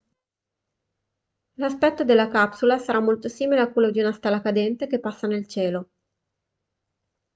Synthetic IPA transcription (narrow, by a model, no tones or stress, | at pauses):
laspɛt̪ːod̪elːakapsulasaɾamːolt̪osiːmileakwelːod̪iunast̪ɛlːakad̪ɛnt̪ek̟epːasːanelt͡ʃɛːlo